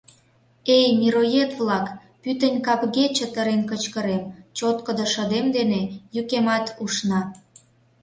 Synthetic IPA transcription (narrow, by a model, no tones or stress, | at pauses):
ejmiɾojet̪βlɑk | pyt̪ənʲkɑpɣet͡ɕə̆t̪əɾenkət͡ɕkə̆ɾemt͡ɕot̪kəd̪oʃə̆d̪emd̪enejykemɑt̪uʃnɑ